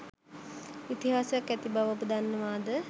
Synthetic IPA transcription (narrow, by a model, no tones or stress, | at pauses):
it̪iɦaːsujakːɛt̪ibaʋopud̪anːəʋaːd̪ə